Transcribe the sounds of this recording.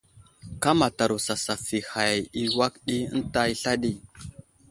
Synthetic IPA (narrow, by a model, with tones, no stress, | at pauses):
ka˦ma˨ta˨ɾu˨sa˨sa˨fi˨ha˨ji˨wa˦kɗi˦ə̰˦n˦ta˦i˦ɬa˦ɗi˦